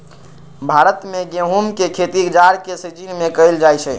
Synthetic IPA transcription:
bʱaɾət̪meɡeɦumkekʰet̪iɡd͡ʒaɾkesət͡ʃinmekəɪld͡ʒajt͡ʃʰɛ

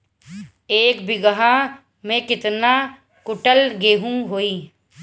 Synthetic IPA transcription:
eːkbɪɡəɦã | mẽkɪt̪na | kʊʈəlɡeːɦũɦoːiː

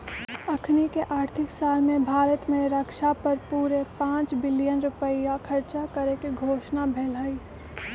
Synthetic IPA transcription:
ɐkʰnikeʔaːɾt̪ʰɪksaːlmẽbʱaːɾət̪mẽɾəkʃapəɾpuːɾepãːt͡ʃbɪlijənɾʊpəijakʰɐɾt͡ʃakəɾekiɡʱoːʃnabʱɛːlaːiː

